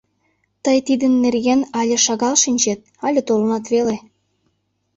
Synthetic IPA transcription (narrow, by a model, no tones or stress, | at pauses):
t̪əjt̪id̪ənːerɣenɑlʲĕʃɑɣɑlʃinʲt͡ɕet̪̚ɑlʲet̪olɤnɑt̪βele